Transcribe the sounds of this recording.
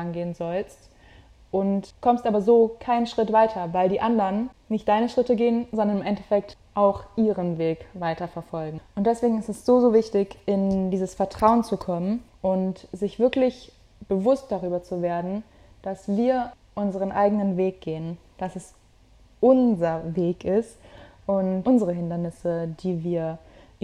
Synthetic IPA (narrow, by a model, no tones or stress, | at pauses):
anɡeːənzɔlst | ʔʊntkʰɔmstʔaːbɐzoːkʰaɪnənʃʁ̥ɪtv̥aɪtʰɐvaɪldiːʔandɐn | nɪçt̚d̥aɪnəʃʁ̥ɪtəɡeːənzɔndɐnɪmʔɛntɛfɛk̚tʔaʊxʔiːʁənveːkv̥aɪtɐfɛɐfɔlɡŋ̩ʔʊnt̚d̥ɛsv̥eːɡŋ̩ɪstɛsz̥oːzoːvɪçtɪçɪndiːzəsfɛɐtʁ̥aʊənt͡sukʰɔmən | ʔʊntzɪçv̥ɪɐklɪç | b̥əvʊst̚d̥aʁyːbɐt͡suveːɐdn̩ | d̥asv̥iːɐ | ʔʊnzəʁənʔa̰ɪɡənənveːk̚ɡ̥eːən | d̥asɛs | ʔʊnzɐveːkɪst | ʔʊntʔʊnzəʁəɦɪndɐnɪsəd̥iːviːɐ